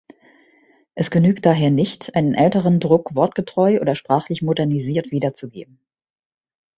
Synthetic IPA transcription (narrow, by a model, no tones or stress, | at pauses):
ʔɛsɡ̥ənyːkt̚d̥aːɦeːɐnɪçtʔaɪnənʔɛltəʁ̞əndʁʊkv̥ɔɐtɡ̥ətʁ̥ɔʏʔo̰ːdɐʃpʁ̥aːχlɪçmodɛɐniziːɐtv̥iːdɐt͡suɡḛːb̚m̩